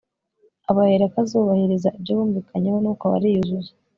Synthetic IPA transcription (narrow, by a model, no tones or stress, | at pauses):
aβaheɾakazuːβahiɾizabɟoβuːɱviːkʰaɲehonukaβa̰ɾijuzuze̥